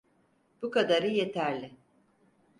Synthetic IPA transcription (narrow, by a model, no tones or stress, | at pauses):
b̥ukad̪aɾɯjet̪ʰæɾlʲɪ